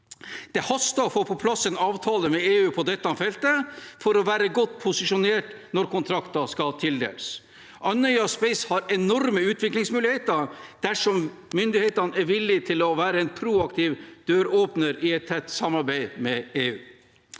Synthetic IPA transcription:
d̪̥ɛhɔst̪əɔfoːpʰɔpʰlɑsɛnɑːʋt̪ʰɑːləmɛeːʉːpʰɔd̪ɛt̪ːəhɑnfɛlt̪əfɔɾɔʋæːɾəɡɔt̪ːpʰʊsɪʂʊneːʈnɔɾkʊnt̪ʰɾɑkt̪ɑskɑlt̪ʰɪld̪ḛːləs | ʔɑnœʏɑspɛɪshɑɾɛnɔɾməʉːt̪ʰʋɪklɪŋsmʉːlɪheːt̪əɾd̪̥æʂɔm | mʏnd̪ɪheːt̪ɑnɛɾʋɪlːɪt̪ʰɪlɔʋæːɾəɛɪnpʰɾuːɑkt̪ʰiːʋd̪̥øːɾoːpnəɾɪɛt̪ʰːɛt̪ːsɑmːɑɾbæɪmɛeːʉː

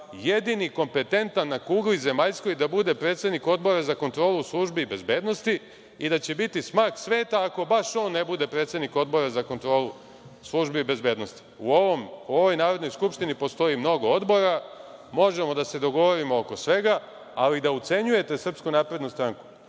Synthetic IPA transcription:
je̞d̪iniko̞mpe̞t̪e̞nt̪anːakuːɡlize̞maʎsko̞jd̪abud̪e̞pɾet̪se̞d̪niko̞d̪bo̞ɾazako̞nt̪ɾo̞ːluslˠuʒbibe̞zbe̞d̪no̞st̪i | id̪at͡ɕe̞bit̪ismaːksʋe̞ːt̪aːko̞baʃo̞ːnːe̞bud̪e̞pɾe̞ːt̪se̞d̪niko̞d̪bo̞ɾazako̞nt̪ɾo̞ːlu | slˠuʒbibe̞zbe̞ːd̪no̞st̪i̥uoomo̞ʋo̞jnaːɾod̪no̞jskupʃt̪inipo̞st̪o̞imno̞ɡo̞od̪bo̞ɾamo̞ʒe̞mo̞d̪ase̞d̪o̞ɡo̞ʋo̞ɾimooko̞sʋe̞ɡa | alid̪aut̪se̞ɲuje̞t̪e̞sr̩pskunaːpɾe̞d̪nust̪ɾaŋku̥

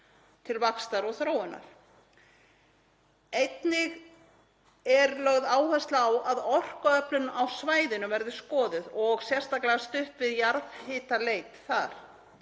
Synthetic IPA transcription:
t̪ʰɪlvakst̪aɾɔɣθɾoːwɪnːa̰ɾ̥ | ejt̪nɪɣ | ɛɾlœɣðaːwhast̪lawʔaðɔr̥kaœplʏnawsvaːjðɪnʏvɛɾðɪskɔːðɪðɔɣsjɛr̥st̪aklaast̪ʏhpvɪðjaɾvhɪːt̪aleːjt̪θaɾ̥

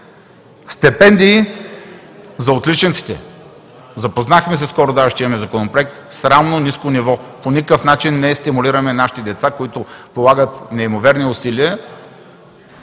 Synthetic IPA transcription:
st̪ɛpɛnd̪iː | zɐot̪lit͡ʃɛnt̪si̥t̪ɛ̰ | zɐpoznaxmɛs̬ɛskɔɾʊd̪aʃt̪iimɐmɛzɐkonopɾoɛk̚t̪sɾamnoniskonivɔponʲikəfnat͡ʃinːɛst̪imʊliɾəmɛnaʃi̥t̪id̪ɛt̪sakoit̪ʊpolˠaɡət̪nɛimovɛɾniʊsiliə

